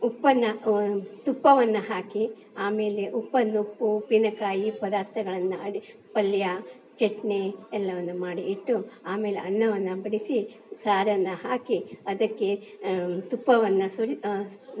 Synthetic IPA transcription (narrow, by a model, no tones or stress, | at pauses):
upːɐnːɐt̪upːɐʋɐnːɐɦaːki | aːme̞ːleʔupːɐnːupːupinɐkaːjipɐd̪aːɾt̪ɐɡɐɭɐnːuɐɽi | pɐlːja | t͡ʃeʈneɛlːɐʋɐnːumaːɽiːʈːuaːme̞ːlḛʔɐnːɐʋɐnːɐbɐɽisi | saːɾɐnːɐhaːkiɐd̪ɐkːe̞ | t̪upːɐʋɐnːusuɾi